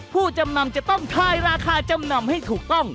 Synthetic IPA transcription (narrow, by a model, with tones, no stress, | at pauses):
pʰuː˥˩t͡ɕa˧mna˧mt͡ɕa˨˩ʔt̪ɔ˥˩ŋkʰaː˧˩jɾaː˧kʰaː˧t͡ɕa˧mna˧mha˥˩jt̪ʰuː˨˩k̚t̪ɔ˥˩ŋ